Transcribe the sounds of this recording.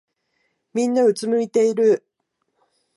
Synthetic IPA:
mʲĩnːaɯ̟t͡sɨmɯ̟it̪e̞iɾɯ̟

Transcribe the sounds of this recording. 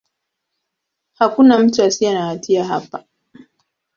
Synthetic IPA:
hakʷunamt͡ʃasianaatijaɦa̰pa

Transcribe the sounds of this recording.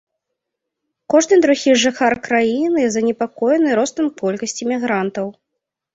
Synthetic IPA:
kɔʐnɨd̪ɾuɣʲiʐaxarkɾajinɨzɐnʲɛpakɔjnɨjɾɔst̪ɐmkːɔlʲkɐsʲt͡sʲimʲiɣɾant̪ɐw

